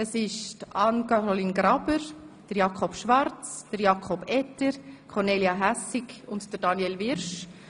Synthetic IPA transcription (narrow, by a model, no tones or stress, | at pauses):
əsɪʃtɑnkɑɾoliːnɡɾɑb̥əɾd̥əɾjɑkʰɔpʃʋɑrt͡sd̥əɾjɑkʰɔbɛtːəɾkʰɔrneːliɑɦæsɪkʊntd̥əɾd̥ɑnjɛlvɪɾʃ